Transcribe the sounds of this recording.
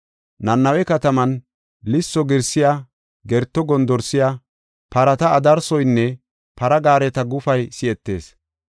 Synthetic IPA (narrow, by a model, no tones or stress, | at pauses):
nɐnːɐwɛkɐt̪ɐmɐn | lɪsːɔɡɪɾsːɪjaː | ɡɛɾt̪ːɔɡɔnd̪ɔɾsːɪjaː | pɐɾɐt̪ɐːd̪ɐɾsɔjnːɛ | pɐɾɐɡaːɾɛt̪ɐɡʊfɐjsɪɛt̪ːe̞̰ːs